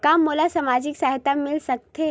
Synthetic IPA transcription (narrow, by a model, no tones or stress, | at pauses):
kamːolasəmad͡ʑiːksaɦit̪amilsək̚t̪ʰe